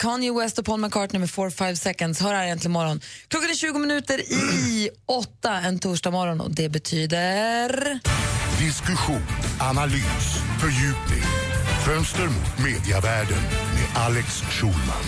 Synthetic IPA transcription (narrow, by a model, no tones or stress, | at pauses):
kʰɑnjɪwɛst̪ɔpʰɔlmankʰɑːʈnɵmːəɾfoːɾfajvsɛkənd̪shœːɾhaɾɪjɛnt̪lɪmɔɾɔnkʰlɔkːanɛɕʉ̟ːɡʊmɪnʉ̟ːt̪əɾɪ | ɔt̪ːaɛnt̪ʰuːʂʈamɔɾɔnɔ̰d̪ɛbɛt̪ʰyːd̪əɾ | d̪ɪskɵɧuːnanalyːsfœɾjʉ̟ːpnɪ̰ŋfœnst̪əɾmʊ̰t̪meːd̪ɪavæːɖə̰nmḛʔalɛks | ʃuːlma̰n